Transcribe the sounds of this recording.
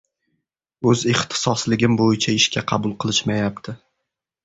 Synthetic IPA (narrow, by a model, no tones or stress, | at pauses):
ɵzɪχt̪ʰɪ̥sɒslɪɡʲɪmbojɪt͡ʃʰaɪʃkʲaqʰɑbʊlˠqʰɨlˠɪʃmajap̚t̪ʰɪ